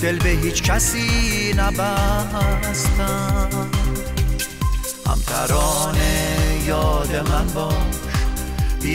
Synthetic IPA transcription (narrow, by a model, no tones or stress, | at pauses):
d̪̥elbeɦiːt͡ʃkʰæsiːnæbæ | st̪æ | hæ̰mt̪ʰæ̰ɾɒːnejɒːd̪emænbɒʃi